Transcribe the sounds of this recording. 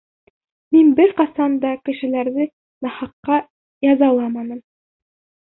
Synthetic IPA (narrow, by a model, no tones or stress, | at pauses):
minbɘɾqɑsɑnd̪ɑkɘ̆ʃɘ̆læɾðɘ | nɑhɑqːɑ | jɑzɑlˠɑmɑnɤ̆m